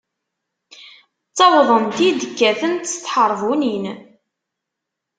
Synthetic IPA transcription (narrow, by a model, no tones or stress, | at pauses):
t͡sːɑvðˤənt̪id̪əkːæθənt̪st̪ːħəɾˤvunin